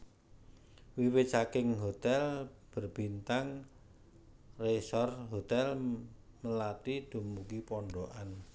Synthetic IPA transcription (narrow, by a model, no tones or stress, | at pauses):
wiwe̥t͡ʃakɪŋɦot̪ɛlb̥ərb̥i̤nt̪aŋ | resɔrɦot̪ɛl | məlat̪id̪̥ṳmuɡipɔɳɖoʔan